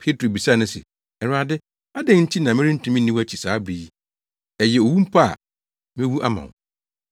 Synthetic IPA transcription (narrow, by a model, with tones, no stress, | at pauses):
pʰe˦tʰɾo˨bi˨sa˦˨nʊ̃˦sɪ̰˨ | ɛ˨ɾaː˨dɪ˦ | a˦dɛ̃˨ŋɲ̩˦t͡ɕʰi˦nã˨mɪ̃˦ɾĩ˦n̩˦tʰũ˦mĩ˦nĩ˦wæ˦t͡ɕʰi˨saː˨˦bɾi˨ji˦ | ɛ˨jɛ˨o˨wu˦m̩˦pʰa˦a̰˨ | mɪ̃˦wu˦ʔa˦mã̰˨w